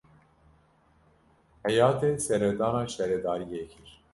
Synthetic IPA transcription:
hɛjɑːt̪ʰɛsɛɾɛd̪ɑːnɑːʃɛɾɛd̪ɑːɾijekʰiɾ

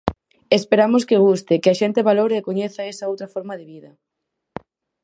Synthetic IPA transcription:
espeɾamoskeɣ̞ust̪ekɪaʃent̪eβaloɾeːkoɲeθaesɐowt̪ɾafoɾmaðeβiðɐ

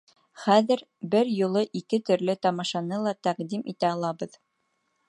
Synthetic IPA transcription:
χæðɘ̆ɾ | bɘɾjŏlˠɤʔikɘt̪ɵ̆ɾlɘt̪ɑmɑʃɑnɤlˠɑt̪æqd̪imʔit̪æɑlˠɑβɤð

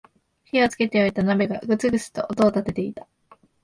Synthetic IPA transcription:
çio̞t͡sɨ̥ke̞t̪e̞oit̪anabe̞ɡaɡɯ̟t͡sɨɡɯ̟t͡sɨ̥t̪o̞̰ʔot̪o̞ːt̪at̪e̞t̪e̞it̪ḁ

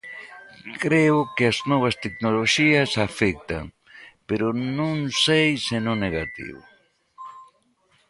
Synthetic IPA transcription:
kɾeʊkɪɐznɔβ̞ɐst̪eknoloʃiɐsafek̚t̪a̰ŋ | peɾʊnõŋsejsenõŋneɣat̪ḭβʊ̰

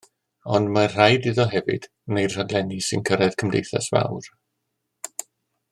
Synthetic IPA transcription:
ɔndmar̥ajdiðɔɦɛvɨ̰d̥ | nejd̥r̥aɡlˠɛnisɨ̰nkʰəɾɛð̥kʰəmdḛjθa̰sva̰wr

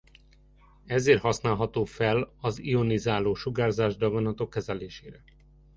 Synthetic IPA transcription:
ɛzeːrt̪hɒsnaːlɦɒt̪oːfɛlɒzio̞nizaːloːʃuɡaːrzaːʒd̪ɒɡonɒt̪okːɛzɛleːʃeːɾɛ

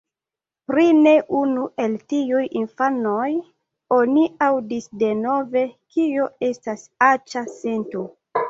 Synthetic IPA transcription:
pɾine̞ʔunue̞ltiujinfano̞j | o̞niawdisde̞no̞ve̞kioe̞stasat͡ʃase̞nto

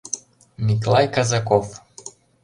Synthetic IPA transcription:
miklˠajkazakɔf

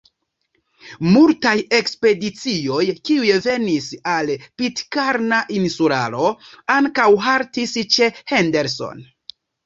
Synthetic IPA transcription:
multaje̞kspe̞dit͡sio̞jkiujeve̞nisalpitkaɾnaʔinsuɾa̰lo̞aŋkawɦaɾtist͡ʃe̞hende̞ɾso̞̰n

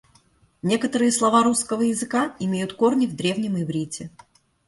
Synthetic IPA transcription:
nʲe̞kət̪əɾɨjəslˠɐvaɾuskəvəjɪzɨkaɪmʲejʊt̪ko̞rnʲɪvd̪ɾʲe̞vnʲɪmɪvɾʲitʲɪ

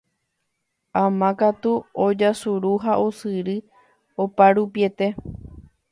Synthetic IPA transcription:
ãmãkat̪uod͡ʒasuɾuɦaʔosɨɾɨ | opaɾupje̞t̪e̞

